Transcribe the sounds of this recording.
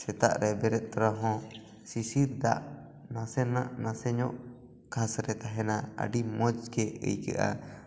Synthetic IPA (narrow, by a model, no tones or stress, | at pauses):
sɛt̪a̰ʔɾʔɛbɛɾɛt̪̚t̪ɔɾaɦɔ̃ | sisiɾd̪aʔ | nasɛnaʔnãsɛɲɔʔ | kʰasɾɛt̪aɦɛnaa̰ɖimɔd͡ʒkɛə̰jkɛ̰ʔa̰